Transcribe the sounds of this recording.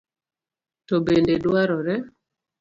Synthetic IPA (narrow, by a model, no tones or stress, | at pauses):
tɔbendeɗwaɾɔɾɛ